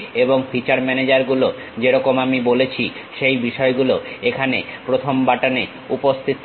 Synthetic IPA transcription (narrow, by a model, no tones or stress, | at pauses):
eboŋfʰit͡ɕaɾmɛned͡ʑaɾɡulo | d͡ʑeɾɔkomamibolet͡ɕʰiʃejbiʃɔeɡuloekʰanḛpɾot̪ʰombaʈane | upost̪ʰit̪